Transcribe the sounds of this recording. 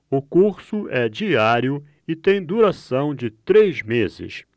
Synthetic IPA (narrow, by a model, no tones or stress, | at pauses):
ʊkuɾsʊɛd͡ʒiaɾjʊ | ɪt̪ẽj̃d̪uɾasɐ̃w̃d͡ʒɪt̪ɾejzmezɪ̰s